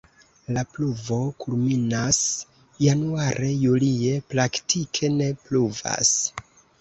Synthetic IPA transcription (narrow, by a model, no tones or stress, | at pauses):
lapluvo̞kulminas | januaɾʔe̞julie̞pɾaktʰikʰe̞ne̞pluva̰s